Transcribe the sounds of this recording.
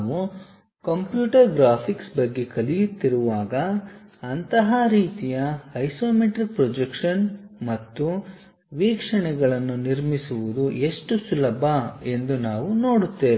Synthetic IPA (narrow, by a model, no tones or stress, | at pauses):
ʋu | kɐmpjuːʈɐɾɡɾaːpʰiksbɐɡːekɐlijut̪ːiɾuʋaːɡɐːnt̪ɐɦɐɾiːt̪ijɐhɐjsoːmeʈɾik̚pɾod͡ʒekʂɐnmɐt̪ːu | ʋiːkʂɐɳɛɡɐɭɐnːuniɾmisuʋud̪ue̞ʂʈusulɐbʱɐe̞nd̪unaːʋuno̞ːɽut̪ːeːʋ